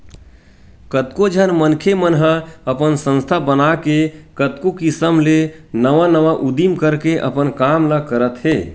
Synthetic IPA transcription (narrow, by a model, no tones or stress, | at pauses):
kət̪kod͡ʒʱənmənkʰemənɦəəpənsə̃nst̪ʰabənakekət̪kokisəmlenəʋanəʋaʔud̪imkəɾkeʔə̰pənkamləkəɾət̪ɦe